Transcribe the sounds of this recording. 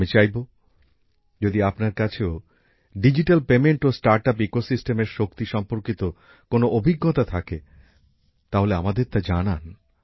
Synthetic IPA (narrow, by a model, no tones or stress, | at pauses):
mit͡ɕajbo | d͡ʑod̪iapnaɾkat͡ɕʰeo | ɖid͡ʑiʈalpemeɳʈosʈaɾʈapekosisʈemeɾʃokt̪iʃɔmpoɾkit̪o | konoʔobʱiɡːot̪at̪ʰake | t̪aɦoleamad̪eɾt̪ad͡ʑanan